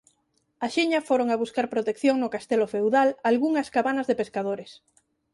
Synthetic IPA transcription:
aʃiɲɐfoɾoŋaβuskaɾpɾot̪ekθjoŋnʊkast̪elofewðalalɣuŋɐskaβanɐzðepeskaðoɾes

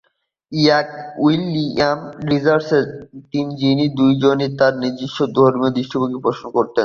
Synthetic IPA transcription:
iak̚ulːiamɾizaɾseɾt̪ind͡ʑinid̪ujd͡ʑonet̪aɾnid̪iʃːod̪ʱoɾmiod̪iʃʈʰibokipɾoʃonkoɾt̪en

